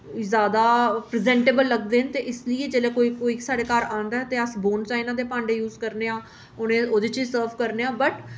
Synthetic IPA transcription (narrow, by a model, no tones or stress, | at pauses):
zjaːd̪aːpɾɪzɛ̃ːɳʈeːbəlːəɡd̪eːnt̪eːʔɪsləɪeːd͡ʒeːleːkoːiːkoːiːsaːɽeːkəɾãːnd̪aːɛt̪eːəsboːnt͡ʃaːinãːd̪eːpãːɳɖeːjuːzkəɾneːãː | onẽːoːd̪eːt͡ʃiːsəːɾfkəɾneːãːbəʈ